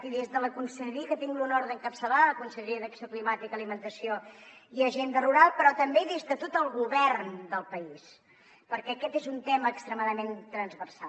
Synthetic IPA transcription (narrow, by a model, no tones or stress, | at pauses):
t̪iðezðələkunsəɾβikət̪iŋɡlunoɾðəŋkəpsəlaəkunsəʎəɾiəðəksioklimat̪ikəlimənt̪əsioiəʒend̪əruɾalˠpɾɔt̪əmbeðezðət̪ot̪əlˠɣuβɛrnd̪əlˠpəis | pəɾkɛːkɛt̪ezunt̪ɛməːkst̪ɾəmaðəment̪ɾənzβərsa